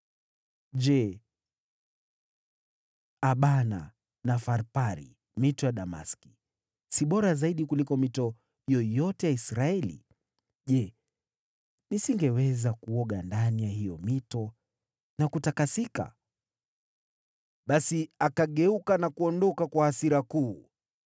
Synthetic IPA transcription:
ʄɛ | aɓana̰ | nafaɾpaɾḭ | mitɔjaɗama̰ski̥ | siɓɔɾazaiɗikulikɔmitɔ | jɔjɔtɛjaisɾaɛlḭ | ʄɛ | nisiŋɡɛwɛzakuɔɠandanijaɦijɔmitɔ | nakutakasika̰ | ɓasiakaɠɛukanakuɔndɔkakwaasiɾakuː

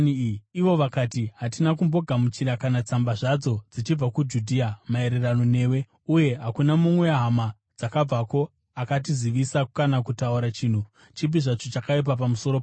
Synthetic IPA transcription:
iʋo̞ʋakatiɦatinak̬umbo̞ɡʱamut͡ʃiɾakanat͡sambaʐad͡zo̞d͡zit͡ʃib͡vakud͡ʒudʱiːamae̞ɾe̞rano̞ne̞ːwe̞ | uje̞ɦakunamumwe̞ɦama | d͡zakab͡vako̞ | akat̬iziʋisakukanakutauɾat͡ʃiːn̤u | t͡ʃip̬iʐat͡ʃo̞t͡ʃakaip̬ap̬amuso̞ɾop

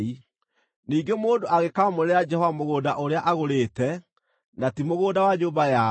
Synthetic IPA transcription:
i | niːɡemoːndoʔaɣekamoɾɾejad͡ʒɛhɔvamoɣoːdaʔoɾeaʔaɣoɾeːtɛ | natimoɣoːdawaɲoːbaja

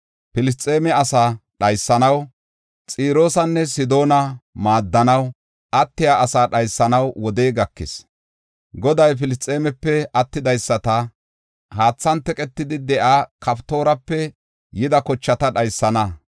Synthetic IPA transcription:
pɪlɪst͡sʼːe̞ːmɛɐsaːɗɐjsːɐnɐw | t͡sʼiːɾo̞ːsɐnːɛsɪd̪o̞ːnɐmaːd̪ːɐnɐw | ʔɐt̪ːɪjaʔɐsaːɗɐjsːɐnɐwwɔd̪eːɡɐkːɪ̰s | ɡɔd̪ɐjp̬ɪlɪst͡sʼe̞ːmɛpːɛɐt̪ːɪd̪ɐjsːɐt̪ɐ | haːt͡sːɐnt̪ːɛkʼɛt̪ːɪd̪ɪd̪ɛʔaːkɐpt̪o̞ːɾɐpːɛ | jɪd̪ɐkɔt͡ʃːɐt̪ɐɗɐjsːɐnɐ

